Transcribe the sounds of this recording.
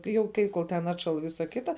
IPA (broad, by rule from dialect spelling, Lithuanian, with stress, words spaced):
jɛʊ ˈkɐɪ ˈkoːlˠ tʲɛn ˈɑːtʃɐlˠ ˈʋʲɪsɐ ˈkʲɪtɐ